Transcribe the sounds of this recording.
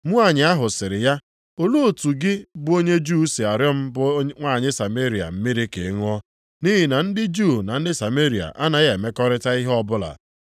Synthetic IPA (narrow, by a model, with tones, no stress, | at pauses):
mu˦a˦˨ɲɪ˨˦a˦ɦʊ˨sɪ˨ɾɪ˨ja˦ | o˦lu˦o˨tu˨ɡɪ˦bʊ˦o˦ɲe˦d͡ʒu˦si˨a˨ɾjɔ˦m̩˦bŋʷaː˦˨ɲɪ˦sa˨me˦ɾi˨a̰˨m̩˦mɪ˦ɾɪ˦kḛ˨˦ŋ˦ɔ˦ | ni˦ɦɪ˨na˨n̩˦dɪ˦d͡ʒu˦˨na˨n̩˦dɪ˦sa˨me˦ɾi˨a̰˨ʔa˦na˨je˨me˦kɔ˦ɾɪ˦ta˦i˦ɦɔ˦bʊ˦la̰˨